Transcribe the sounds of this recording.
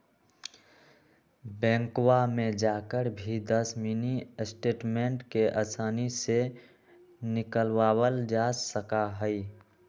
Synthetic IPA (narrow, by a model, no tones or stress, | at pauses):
bɛ̃ːŋkwamẽd͡ʒaːkəɾbʱid̪əsminisʈeːʈmeɳʈkeʔəsaːnise | nɪkəlwaːwəld͡ʒasəkaɦəi